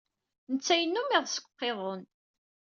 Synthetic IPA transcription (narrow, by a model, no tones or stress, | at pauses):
nət͡sːæjənːumiʁsə̥kʷːqːeðˤon